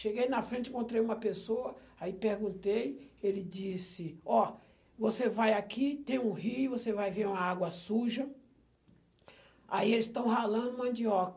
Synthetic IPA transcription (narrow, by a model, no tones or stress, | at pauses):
ʃeɡejnɐfɾẽt͡ʃɪẽkõnt̪ɾejũmɐpesoɐaipeɾɡũnt̪ejelɪd͡ʒisɪɔ | vosevajakʰit̪ẽj̃ũhijvosevajveɾũmɐaɡwɐsuʒɐ | a̰ielɪst̪ɐ̃w̃ɦalɐ̃nd̪ʊumɐ̃nd͡ʒiɔkɐ